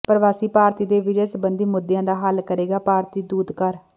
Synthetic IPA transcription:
pəɾʋaːsiːpaːɾt̪iːd̪eːʋɪd͡ʒeːsəbənd̪iːmʊd̪ːejãːd̪aːɦəlkəɾeːɡaːpaːɾt̪iːd̪uːd̪kəɾ

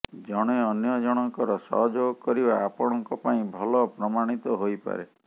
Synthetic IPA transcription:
d͡ʒɔɽ̃eɔnjɔd͡ʒɔɽ̃ɔŋkɔɾɔsɔ̰ɦɔd͡ʒoɡkɔɾibaapɔɽ̃ɔŋkɔpaĩbʱɔlɔpɾɔmaɽ̃it̪ɔɦojpa̰ɾe

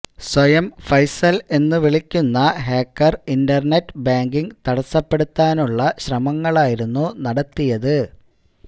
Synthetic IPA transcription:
swɐjɐmfɐjsɐle̞nːɨʋiɭikʲːunːɐɦeːkːɐrindɐrnetːbaːŋɡiŋt̪ɐɽɐsːɐpːe̞ɽut̪ːaːnuɭːɐɕrɐmɐŋːɐɭaːjiɾunːunɐɽɐt̪ːijɐðɨ

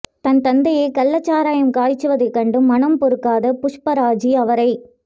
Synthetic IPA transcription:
t̪ɐnt̪ɐnd̪ɐjeːkɐlːɐt͡ʃːaːɾaːjɐmkaːjɪt͡ʃːɯʋɐðɐɪkːɐɳɖɯmːɐnɐmpɔɾɯkːaːðɐpʊʂpɐɾaːd͡ʒiɐʋɐɾɐɪ

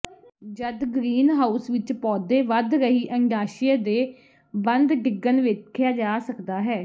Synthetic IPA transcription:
d͡ʒəd̪ɡɾiːnɦaːʊsʋɪt͡ʃpɔːd̪eːʋəd̪ɾəɦiːʔəŋɡjaːʃɪjəd̪eː | bənd̪ɖɪɡːənʋɪt͡ʃkʰɪjaːd͡ʒaːsəkd̪aːɦɛː

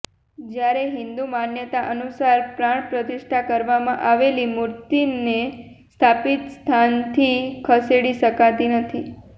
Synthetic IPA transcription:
d͡ʒjaɾeɦɪnd̪umanjət̪aʔənusaɾpɾãʈpɾət̪ɪʃʈʰakəɾʋamãʔaʋelimuɾt̪ine | st̪ʰapit̪st̪ʰant̪ʰikʰəseɽiʃəkat̪inət̪ʰi

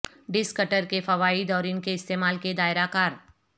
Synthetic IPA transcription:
ɖɪskəʈəɾkefɐʋaːid̪ɔːɾinkeɪst̪eːmaːlked̪aːɪɾakaːɾ

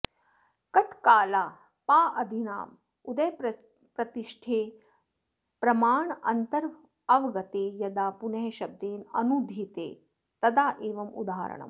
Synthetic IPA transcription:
kɐʈkaːlaː | paːʔɐd̪ʱina̰ːm | ud̪ɐj | pɾɐt̪iʂʈʰeː | pɾɐmaːɳɐnt̪ɐɾ | ɐʋɐɡɐt̪eːjɐd̪aːpunɐɦeʃɐb̚d̪eːnɐ̰nud̪ʱjit̪ḛː | t̪ɐd̪aːʔeːʋɐmṵd̪aːɦɐ̰ɾɐ̰ɳɐ̰m

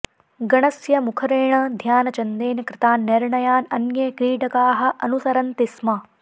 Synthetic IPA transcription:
ɡɐɳɐsjɐmukʰɐɾeːɳɐd̪ʱjaːnɐt͡ʃɐnd̪eːnɐkɾɪt̪aːnːiɾɳɐjaːnɐnjeːkɾiːʈɐkaːɦɐ̆ʔɐnusɐɾɐnt̪ismɐ

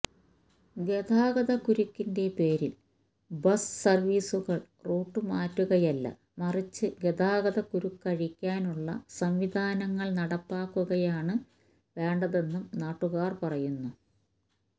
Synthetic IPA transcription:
ɡe̞d̪aːɡɐðɐkuɾukʲːinde̞pe̞ːɾil | bɐssɐrʋiːsuɣɐɭ | ruːʈːɨmaːtːuɣɐjɐlːɐ̰ | mɐrit͡ɕːɨɡe̞d̪aːɣɐðɐkuɾukːɐɻikʲːaːnuɭːɐ̰sɐmʋid̪ʱaːnɐŋːɐɭnɐɽɐpːaːkːuɣɐjaːɳɨ | ʋe̞ːɳɖɐðe̞nːumnaːʈːuɣaːrpɐrɐjunːu

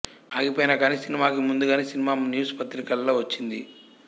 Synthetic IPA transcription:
aːɡipoːjinɐkaːnisinimaːkimund̪uɡaːniːsinimaːnjuːspɐt̪ɾikɐlːo̞ːʋɐt͡ʃːind̪i

